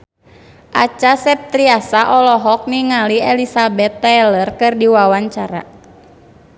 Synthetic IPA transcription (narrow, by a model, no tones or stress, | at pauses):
ʔat͡ʃasɛp̚t̪ɾiasaʔɔlɔɦɔk̚niŋaliɛlisabɛt̪ːɛlərkɨrdiwawaɲt͡ʃaɾa̰